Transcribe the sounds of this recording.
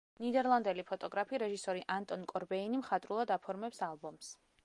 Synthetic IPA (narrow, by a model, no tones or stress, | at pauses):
nid̪ɛɾlˠand̪ɛlipʰɔt̪ʼɔɡɾapʰiɾɛʒisɔɾiʔant̪ʼɔnkʼɔɾbɛinimχat̪ʼɾulˠad̪apʰɔɾmɛpsalˠbɔms